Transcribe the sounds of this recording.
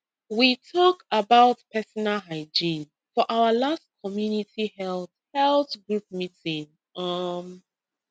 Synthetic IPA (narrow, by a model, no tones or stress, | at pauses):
witʰɔkabaʊtpʰɛsɔnalɦaɪd͡ʒĩn | fɔʔawəlast̚kʰɔmjunitihɛlˠθhɛlˠθɡɹup̚mitĩn | ʌm